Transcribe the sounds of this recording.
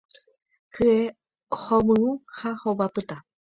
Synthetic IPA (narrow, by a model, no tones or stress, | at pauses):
kʰɨe | homɨ̃ũhahobapɨt̪a